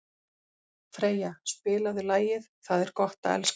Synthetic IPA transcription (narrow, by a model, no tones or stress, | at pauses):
fɾeːjaspɪːlaðʏlaːjɪðθaðɛɾ̥kɔht̪a̰ɛ̰ls